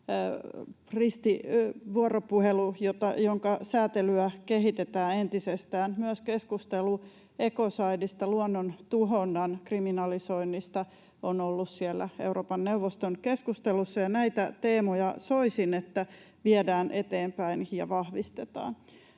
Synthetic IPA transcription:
rist̪iʋuoɾopuhelujot̪ɑjoŋkɑsæːt̪elyækeɦit̪et̪æːent̪isest̪æːnmyøskeskust̪elu | ekosɑidist̪ɑluonːont̪uɦonːɑnkriminɑlisoinːist̪ɑ | onolːussiɛlːæ̰euwɾoːpɑnneuʋost̪onkeskust̪elusːɑjɑnæit̪æt̪eːmojɑsoisinet̪ːæ | ʋiɛdæːnʔet̪eːmpæinjɑ̰ʋɑhʋist̪et̪ɑ̰ːn

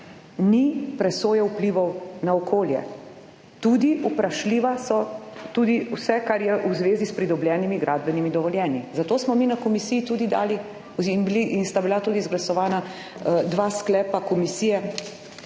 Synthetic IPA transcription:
nipɾɛsoːjɛupliʋɔwnaɔkʰoːljɛ̰ | t̪uːd̪iʔupɾaʃliːʋasɔt̪uːd̪iwsɛkaɾjɛʔuzʋeːzispɾid̪ɔbljɛːnimiɡɾʔaːd̪̚bɛnimid̪ɔʋɔljɛːnizat̪oːsmɔminakɔmisiːjit̪uːd̪id̪a̰ːli | inbiliʔinst̪abilat̪uːd̪izɡlasɔʋaːna | d̪ʋaːsklɛːpakɔmisiːjɛ

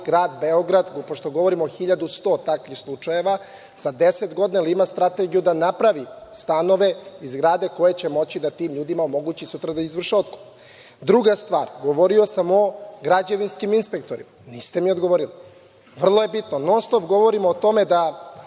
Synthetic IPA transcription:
ɡɾaːd̪beo̞ɡɾad̪ɡpoʃt̪o̞ɡo̞ʋoɾimooxiʎad̪ust̪o̞ːt̪akʋixslˠut͡ʂajeʋa | sad̪eset̪ɡo̞d̪neliimast̪ɾat̪e̞ɡijud̪anapɾaʋist̪ano̞ʋe̞izɡɾaːd̪e̞ko̞jet͡ɕe̞mo̞t͡ɕid̪at̪iːmʎuːd̪imaomo̞ɡut͡ɕisut̪ɾad̪aizʋr̩ʃeo̞t̪ko̥p | d̪ɾuɡast̪ʋa̰ːɾɡo̞ʋoɾio̞samo̞ɡɾad͡ʑe̞ʋinskiminspe̞k̚t̪o̞ɾḭmaniːst̪e̞miod̪ɡoʋoɾili | ʋr̩lˠoje̞bit̪nonoslˠobɡo̞ʋoɾimoːt̪o̞med̪a

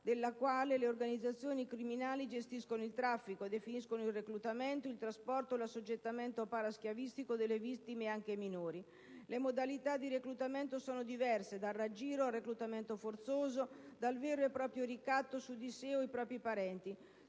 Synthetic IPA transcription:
d̪elːakwaːleleorɡanid̪zat̪sːjoːnikɾiminaːlid͡ʒest̪iskonoilt̪ɾafːikoed̪efiniskonoilreklut̪ament̪oilt̪ɾaspɔrt̪olasːod͡ʒːet̪ːament̪oapaɾask̟javist̪ikod̪elːevit̪ːimeaŋk̟eminoːɾi | lemod̪alit̪ad̪ːiɾeklut̪ament̪osoːnod̪ivɛrsed̪arːad͡ʒiːɾoarːeklut̪ament̪ofort̪soːzod̪alveːɾoepːɾɔːpɾjorikat̪ːosud̪iseoipɾɔːpɾipaɾɛnt̪i

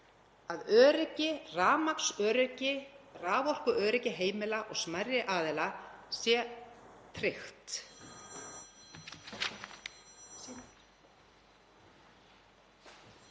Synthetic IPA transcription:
aðœːɾɪcɪraːmaksœːɾʏcɪraːvɔr̥kʏʔœːɾɪcɪɦeːjmɪlaʔɔɣsmajɾjɪʔaːðɛlasjɛt̪ʰɾɪxt̪

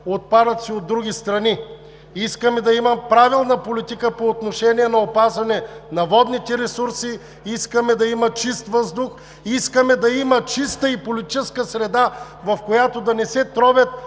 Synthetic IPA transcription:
ot̪̚pad̪ɐt̪siod̪ːɾuɡʲist̪ɾɐni | iskəmɛd̪ɐimɐpɾavilˠnɐpolit̪ikəpoːt̪noʃɛniɛnɐopazvɐnɛnɐvɔd̪nit̪ɛɾɛsuɾsi | iskəmɛd̪ɐimɐt͡ʃist̪vəzd̪ʊx | iskəmɛd̪ɐimɐt͡ʃist̪əipolit̪it͡ʃɛskəsɾɛd̪a | vɐfkojat̪od̪ɐnɛsɛt̪ɾɔbʲət̪̚

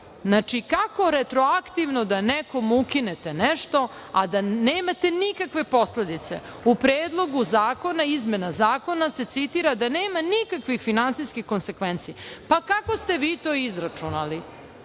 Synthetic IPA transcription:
znat͡ʃikako̞ɾet̪ɾo̞akt̪iʋno̞d̪aneko̞mukinet̪e̞neʃt̪o̞ad̪aneːmat̪e̞nikakʋe̞po̞sle̞d̪it̪se̞̰ | upɾeːd̪lˠo̞ɡuzaːko̞naizmenazaːko̞nase̞t̪sit̪iɾad̪aneːmanikakʋixfinansiskixko̞nse̞kʋent̪sipakako̞st̪e̞ʋiːt̪oːizɾat͡ʂunali

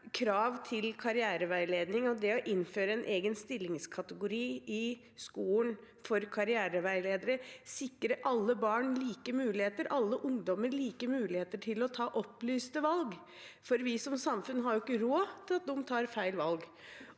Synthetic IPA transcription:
kʰɾɑːʋt̪ʰɪlkʰɑɾɪæːɾəʋæɪleːd̪nɪŋɔd̪ɛɔʔɪnːføːɾəɛnʔeːɡənst̪ɪlːɪŋskʰɑt̪əɡʊɾiːɪ | skuːn | fɔɾkʰɑɾɪæːɾəʋæɪleːd̪əɾəsɪkːɾəʔɑlːəbɑːɳliːkəmʉːlɪheːt̪əɾʔɑlːəʔʊŋd̪ɔməɾliːkəmʉːlɪheːt̪əʈʰɪlɔt̪ʰɑːʔɔplyːst̪əʋɑlɡ | fɔɾʋɪsɔmsɑmfʉnːɦɑɾjʊɪkːəɾoːt̪ʰɪlɑt̪̚d̪ɔmt̪ʰɑːɾfæɪlʋɑlɡ

